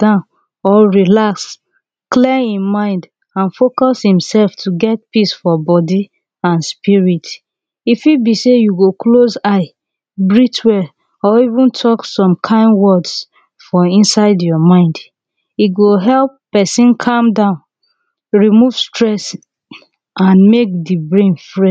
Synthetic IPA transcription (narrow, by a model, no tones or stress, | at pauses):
dãʊ̃n | ɔɹilaks | klɛhĩmmãɪ̃nd | ãnfokɔshĩmsɛlftʰuɡɛt̚pisfɔbɔdi | ãnspiɹit | ifibisejuɡoklozaɪ | bɹitwɛ | ɔivũntʰɔksɔ̃mkʰãɪ̃nwɔds | fɔĩnsaɪdjɔmãɪ̃nd | iɡoɦɛlppɛsĩnkʰãmdãʊ̃n | ɹimuv̥stɹɛs | ʔãnmek̚dibɹẽnfɹɛ